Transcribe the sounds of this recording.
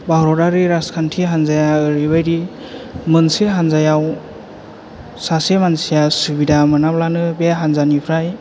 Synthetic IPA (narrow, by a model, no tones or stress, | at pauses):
baɦɾɔdaɾiɾaskʰantʰiɦanzajaɯɾibajɾi | mɯnsiɦanzajaw | sasemansijasubidamɯnaplanɯbeɦanzanipʰɾaj